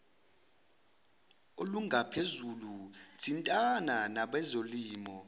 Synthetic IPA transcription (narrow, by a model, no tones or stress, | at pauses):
oluŋʱapʰezulud̥ʰʱintʼananaɓɛzoliːmɔ